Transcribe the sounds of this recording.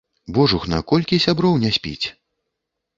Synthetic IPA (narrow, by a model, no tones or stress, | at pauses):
bɔʐuxna̰kɔlʲkʲisʲabɾɔwnʲɛsʲpʲḭt͡sʲ